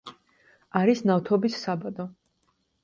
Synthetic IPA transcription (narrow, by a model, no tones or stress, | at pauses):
aɾisnaft̪ʰɔbisːabad̪ɔ